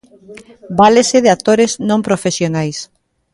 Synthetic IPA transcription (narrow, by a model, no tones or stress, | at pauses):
baleseðeat̪oɾeznõmpɾofesjonajs